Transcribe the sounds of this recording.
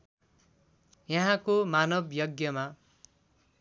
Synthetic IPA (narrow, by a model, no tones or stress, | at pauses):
jʌɦãkomanʌbʱjʌɡjʌma